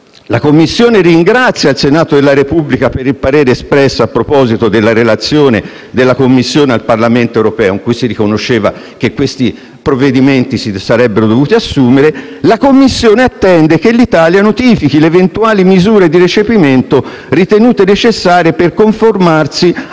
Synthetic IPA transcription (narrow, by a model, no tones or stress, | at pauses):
lakomːisːjoːneɾiːŋɡɾat̪sːjailsenaːt̪od̪elːaɾepubːlikapeɾilpaɾeːɾeːspɾɛsːoapːɾopɔːzit̪od̪elːaɾelat̪sːjoːne | d̪elːakomːisːjoːnealparlament̪oewɾopɛːoiŋkujsirikonoʃːeːva̰ | k̟ekːwest̪i | pɾoved̪iment̪isisaɾɛbːeɾod̪ovuːt̪iasːuːmeɾe | lakomːisːjoːneat̪ːɛnd̪ek̟elːit̪aːljanot̪iːfikileːvent̪uaːlimizuːɾed̪iɾet͡ʃepiment̪o | rit̪enuːt̪enet͡ʃesːaːɾjeperkoɱformarsi